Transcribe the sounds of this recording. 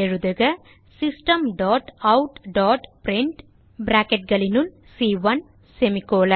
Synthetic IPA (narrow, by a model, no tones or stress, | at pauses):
eɻuðɐɣɐ | sisʈɐmɖɔːʈɐwʈɖɔːʈpɾiɳʈ | bɾaːkeʈ̚ɡɐɭinul | siːʋɐn | semikːoːlɐ